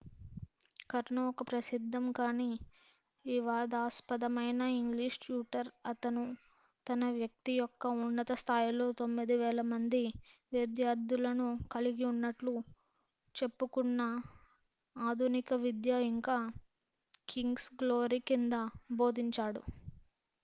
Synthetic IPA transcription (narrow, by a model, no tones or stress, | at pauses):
kɐɾɳɐɔkɐpɾɐsid̪ʱːɐmkaːniː | iʋaːd̪aːspɐd̪ɐmɐjnɐiŋɡliʂt͡ʃuːʈɐɾɐt̪ɐnu | t̪ɐnɐʋjɐk̚t̪ijɔkːɐunːɐt̪ɐst̪ʰaːjilo̞ːt̪omːid̪iʋɛːlɐmɐnd̪iʋed̪jaːɾd̪ulɐnukɐliɡiunːɐʈlu | t͡ʃe̞pːukunːɐ | aːd̪ʱunikɐʋid̪jaiŋkaː | kiŋɡsɡlo̞ːɾikind̪ɐbo̞ːd̪iɲt͡ʃaːɽṵ